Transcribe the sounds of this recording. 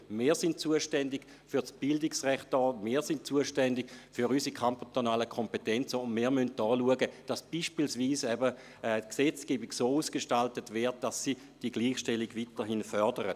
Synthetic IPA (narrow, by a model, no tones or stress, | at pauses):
meːɐsɪntt͡suəʃtɛndɪɡ̥ | fyɐsb̥ɪldɪksʁɛχt̚ɔːmiːɐsɪntt͡suəʃtɛndɪɡfyʁysikʰampt̪onaːləkʰɔmpetɛnt͡səʊndmɪːɐmyntːɔːluəɡəd̥asb̥iʃpilsviːsɛbə | ɛːksɛt͡skeːbɪɡsoːuːskeʃtaltətvɛːɐt̚d̥asːi | d̥iəɡliːχʃtɛliɡvitəɦɪnfœɐdəʁət